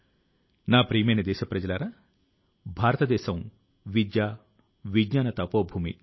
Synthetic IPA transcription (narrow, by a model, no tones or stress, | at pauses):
naːpɾiːmɐjnɐd̪ɛːʃɐpɾɐd͡ʒɐlaːɾɐ | bʱaːɾɐt̪ɐd̪ɛːʃɐm | ʋid̪jaː | ʋiɡɲaːnɐt̪ɐpoːbʱuːmḭ